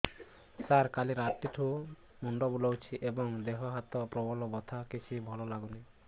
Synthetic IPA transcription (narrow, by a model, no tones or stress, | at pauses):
saɾkaliɾat̪iʈʰu | muɳɖɔbulɔwt͡ʃʰiʔebɔŋd̪eɦɔɦat̪ɔpɾɔbɔlɔbɔt̪ʰakit͡ʃʰibʱɔlɔlaɡuni